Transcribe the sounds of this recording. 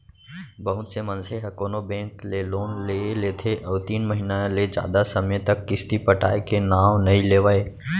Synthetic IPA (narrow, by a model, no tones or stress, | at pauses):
bəɦʊt̪semə̃nseɦɐkoːnobɛ̃ːŋkleloːnleleːt̪ʰeʔɔːɾt̪iːnməɦinaled͡ʒja̰ːd̪asɐmjet̪ɐkːɪst̪ipəʈa̰ːekenaːwnɐɦĩleːʋae